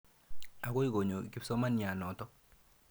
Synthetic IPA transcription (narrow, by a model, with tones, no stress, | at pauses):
a˨ko˦i˦˨ɡo˨ɲo˨ki˦psɔ˦ma˦nja˨nɔ˨tɔ˦